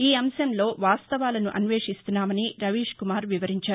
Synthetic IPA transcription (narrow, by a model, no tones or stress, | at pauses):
iːɐmsɐmlo̞ːʋaːst̪ɐʋaːlɐnuʔɐnʋeːʂist̪unːaːmɐniɾɐʋiːʂkumaːɾʋiʋɐɾiɲt͡ʃaːɾu